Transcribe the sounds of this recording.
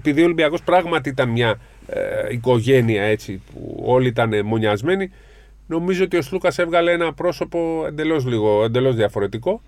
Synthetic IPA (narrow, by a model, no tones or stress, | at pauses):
epiðio̞limbiɐko̞spɾɐɣmɐt̪iit̪ɐnmɲɐ | iko̞ʝe̞niɐe̞t͡sipṵo̞liit̪ɐne̞mo̞ɲɐzme̞ni | no̞mizoot̪io̞slukɐse̞vɣɐleenɐpɾo̞so̞po̞e̞nd̪e̞lo̞z̬liɣo̞e̞nd̪e̞lo̞zðiɐfo̞ɾe̞t̪iko̞